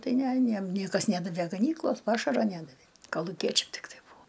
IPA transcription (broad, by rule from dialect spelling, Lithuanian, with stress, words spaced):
ˈtɐɪ ˈnʲɛ ɐˈnʲiɛm ˈnʲiɛkɐs ˈnʲædɐʋʲeː ɡɐˈnʲiːklˠoːs ˈpɑːʃɐroː ˈnʲædɐʋʲeː kɐlˠʊˈkʲiɛt͡ʃʲɛm tʲɪkˈtɐɪ ˈbuːoː